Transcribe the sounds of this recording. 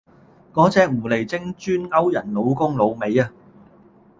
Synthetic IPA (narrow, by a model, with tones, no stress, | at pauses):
kɔː˨˥t͡sɛː˨˧k̚m̩ː˨˩le˨˩jt͡sɪ˥ŋt͡ʃyː˥nŋɐ˥wjɐ˨˩nlo˨˧wkʊ˥ŋlo˨˧wme˨˧jɐː˧